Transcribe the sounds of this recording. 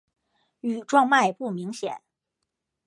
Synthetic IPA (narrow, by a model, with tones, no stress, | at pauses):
y˨˩ʈ͡ʂwɑ˥˧ŋma˥˧ɪpu˥˩mi˧˥ŋɕjɛ̰˨˩˦n